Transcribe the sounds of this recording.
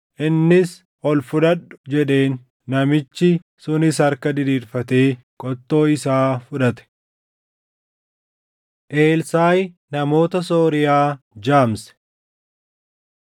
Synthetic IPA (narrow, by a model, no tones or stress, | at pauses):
ʔɪnːɪs | ɔlfʊᶑɐɗʊ̥d͡ʒɛᶑe̞ːnː | ɐmɪt͡ʃːɪ | sʊnɪsɐɾkɐd̪ɪd̪iːɾfɐt̪eː | kʼɔt̪ːo̞ːɪsaːfʊᶑɐt̪ɛ̥ | ʔe̞ːlsaːj | nɐmo̞ːt̪ɐsoːɾɪjaː | d͡ʒaːmsɛ̥